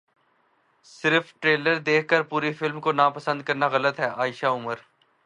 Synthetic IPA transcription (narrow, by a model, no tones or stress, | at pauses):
sɪɾfʈɾeːləɾd̪eːkʰkəɾpuːɾifɪlmkonaːpəsə̃nd̪̚kɐɾnaɣɐlət̪ɦɛːʔaːɪʃaʊməɾ